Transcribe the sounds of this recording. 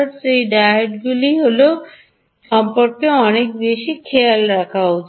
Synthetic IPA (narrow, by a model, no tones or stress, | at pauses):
seɖaeʈɡuliɦolo | ɔmpɔɾkeɔnek̚beʃikʰejalɾakʰaɦot͡ʃʰ